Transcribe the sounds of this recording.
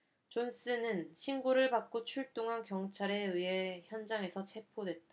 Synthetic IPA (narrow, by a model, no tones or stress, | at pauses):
t͡ɕons͈ɯnɯnɕʰinɡoɾɯɭbak͈̚ot͡ɕʰuɭt͈oŋɦankjʌŋt͡ɕʰaɾe̞ɯe̞çjʌnd͡ʑaŋe̞sʰʌt͡ɕʰe̞pʰodwe̞t̚t͈a